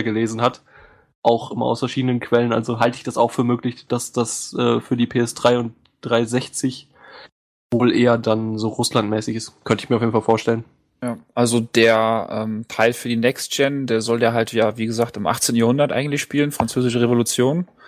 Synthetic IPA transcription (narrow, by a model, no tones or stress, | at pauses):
ɡəleːzn̩hat | ʔaʊxʔɪmɐa̰ʊsfɛɐʃiːdənənkʰv̥ɛlənʔa̰lzoɦaltəɪçd̥asaʊxfyːɐmøːklɪçd̥asd̥asʔɛːfyːɐdiːpʰeːɛsd̥ʁaɪʊnt | d̥ʁaɪzɛçt͡sɪç | voːlʔeːɐdanzoːʁʊslantmɛːsɪçɪstkʰœntəɪçmiɐʊfeːdn̩falfoːɐʃtɛlən | jaːʔalzodeːɐʔɛːmtʰaɪlfyːɐdiːnɛkstd͡ʒɛndeːɐzɔljaːɦaltjaːviːɡəzaːktɪmʔa̰χt͡seːntn̩jaɐhʊndɐtʔa̰ɪɡŋ̩tlɪçʃpiːlənfʁ̥ant͡søːzɪʃəʁevolut͡sjoːn